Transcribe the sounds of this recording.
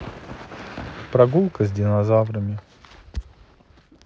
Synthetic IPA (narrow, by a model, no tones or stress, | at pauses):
pɾɐɡulˠkəzʲdʲɪnɐzavɾəmʲɪ